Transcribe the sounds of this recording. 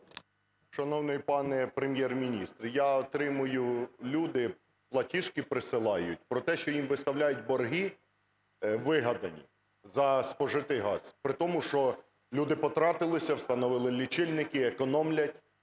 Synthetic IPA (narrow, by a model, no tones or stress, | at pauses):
ʃɐnɔwnɪjpɑnɛpɾemʲjɛrmʲinʲist̪rjɑɔt̪ɾɪmʊjʊlʲud̪ɪ | plˠɐtʲiʃkɪpɾɪsɪlˠɑjʊ̰tʲpɾɔt̪ɛʃt͡ʃɔjimʋɪst̪ɐwlʲajʊt̚ʲbɔrɦi | ʋɪɦɐd̪ɐnʲḭ | zɐspɔʒɪt̪ɪɦɑz̥pɾɪt̪ɔmʊʃt͡ʃɔ | lʲud̪ɪpɔt̪ɾɑt̪ɪlˠɪsʲɐwst̪ɐnɔʋɪlˠɪlʲit͡ʃɪlʲnɪkɪekɔnɔmlʲɐtʲ